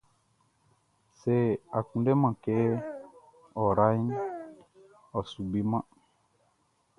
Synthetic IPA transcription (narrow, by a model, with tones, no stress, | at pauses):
se˦˨a˨kũ˨nde˦mã˨ke˦ | ɔ˨ɾa˦n | ɔ˨su˨bi˦mã˦